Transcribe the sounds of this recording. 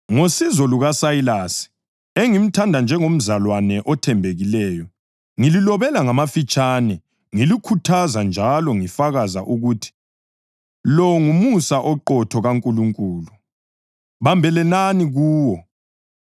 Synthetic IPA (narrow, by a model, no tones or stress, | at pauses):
ŋosizɔluɣasajilasi̥ | eŋim̩tʰandʱand͡ʒʱɛŋom̩zalwanɛʔɔtʰɛmbʱeɣilɛːjɔ | ŋililɔβɛlaŋamafit͡ʃʼaːnɛ | ŋilikʰutʰazand͡ʒʱalɔŋifaɣaza̰ʔuɣuːtʰi̥ | lɔŋumusaʔɔǃɔtʰɔɣaŋkʼuluŋkʼuːlu | βambʱɛlɛnaniɣuːwɔ